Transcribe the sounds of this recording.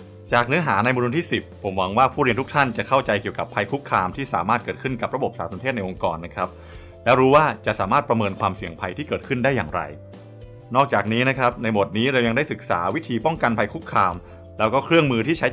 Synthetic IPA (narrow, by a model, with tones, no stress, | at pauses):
t͡ɕaː˨˩k̚nɯ˦˥ɐɦaː˩˦na˧jmu˧nu˧nt̪ʰiː˥˩si˨˩pʰːo˩˦mwa˧ŋwaː˥˩pʰuː˥˩ɾi˧ənt̪ʰu˥kt̪ʰa˥˩nt͡ɕa˨˩kʰa˥˩wt͡ɕa˧jki˨˩əwka˨˩pʰːa˧jkʰu˦˥kʰːaː˧mt̪ʰiː˥˩sa̰ː˨˩˦maː˥˩t̪̚kɤː˨˩t̪̚kʰɯ˥˩nka˨˩p̚ɾa˧bo˨˩p̚saː˩˦so˩˦nt̪ʰeː˥˩t̪̚na˧jʔo˧ŋkɔː˧nːa˦˥kʰɾa˦˥p̚ | lɛː˦˥wɾuː˦˥waː˥˩t͡ɕa˨˩ʔsaː˩˦maː˥˩pɾa˧mɤː˧nkʰwaː˧msi˨˩əŋpʰa˧jt̪ʰiː˥˩kɤː˨˩t̪kʰɯ˥˩ndaː˥˩jːaː˨˩ŋɾa̰˧j | nɔː˥˩k̚t͡ɕaː˨˩k̚niː˦˥na˦˥kʰɾa˦˥p̚na˧jbo˨˩t̪̚niː˦˥ɾe˧wja˧ŋda˥˩jsɯ˨˩k̚sa̰ː˩˦wi˦˥t̪ʰiː˧pɔ˥˩ŋka˧npʰa˧jkʰu˦˥kʰːaː˧m | lɛ˦˥wkɔː˥˩kʰɾɯ˥˩əŋmɯː˧t̪ʰiː˥˩t͡ɕʰa˦˥